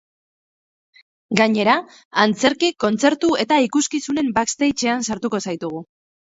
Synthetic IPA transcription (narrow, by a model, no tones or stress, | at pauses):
ɡaɲe̞ɾaː | nt͡se̞ɾkiko̞nt͡se̞ɾt̪ue̞t̪aikuskisune̞mbakst̪ejt͡ʃe̞ansaɾt̪uko̞sajt̪uɣ̞u